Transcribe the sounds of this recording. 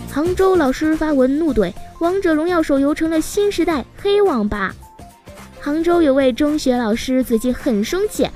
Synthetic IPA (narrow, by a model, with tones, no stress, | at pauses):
xɑ˧˥ŋʈ͡ʂo˥ʊlɑ˨˩ʊʂɻ̩˥fa˥wə˧˥nnu˥˧t̪we˥˩ɪwɑ˧˥ŋʈ͡ʂɤ˨˩lʊ˧˥ŋjɑ˥˩ʊʂo˨˩ʊjo˧˥ʊʈ͡ʂʰɤ˧˥ŋlə˨ɕi˥nʂɻ̩˧˥t̪a˥˩ɪxe˥ɪwɑ˨˩ŋpa̰˥ | xɑ˧˥ŋʈ͡ʂo˥ʊjo˨˩ʊwe˥˩ɪʈ͡ʂɤ˥ŋɕɥɛ˧˥lɑ˨˩ʊʂɻ̩˥t͡sɹ̩˥˩t͡ɕi˧˩xə˨˩nʂɤ˥ŋt͡ɕʰjɛ̰˨˩˦n